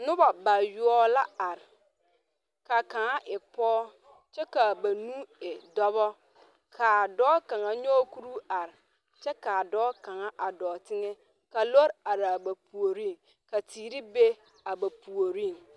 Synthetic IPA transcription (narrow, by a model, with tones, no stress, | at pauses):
nʊ˦ba˨ba˨ju˦ɔ˦la˦a˨ɾɪ˨ | ka˨ka˨ŋa˦ʔɪ˨pɔː˦ | t͡ʃɛ˦ka˨ba˨nũ˦ɪ˨dɔ˦βɔ˦ | kʰa˨dɔː˦ka˨ŋa˨ɲɔː˦ku˦ɾu˦a˨ɾɪ˨ | t͡ʃɛ˦ka˨dɔː˦ka˨ŋa˦ʔa˨dɔː˨tɪ˦ŋɛ˦ | ka˨lo˦ɾa˨ɾa˨ba˨pu˨o˨ɾi˦˨ŋ | ka˨tiː˨ɾi˦be˦ | a˨ba˨pu˨o˨ɾi˦˨ŋ